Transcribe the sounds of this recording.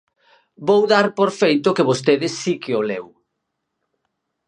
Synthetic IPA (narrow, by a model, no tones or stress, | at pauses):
bowðaɾpoɾfejt̪ʊkɪβost̪eðɪsːikeolew